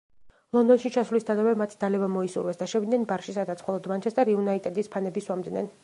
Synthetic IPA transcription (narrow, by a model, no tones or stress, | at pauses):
lˠɔnd̪ɔnʃit͡ʃʰasvlisd̪anavɛmat̪ʰd̪alɛbamɔisṵɾwɛsd̪aʃɛvid̪nɛnbaɾʃisad̪at̪sʰmχɔlˠɔd̪mant͡ʃʰɛsd̪aɾiunait̪ʼɛd̪ispʰanɛbiswamd̪nɛ̰n